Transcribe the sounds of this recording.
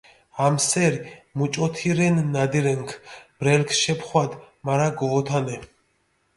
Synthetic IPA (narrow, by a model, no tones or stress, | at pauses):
amsɛɾimut͡ʃʼɔt̪ʰiɾɛnːad̪iɾɛŋkʰbɾɛlkʰʃɛpʰχwad̪ | maɾaɡɔɔt̪ʰanɛ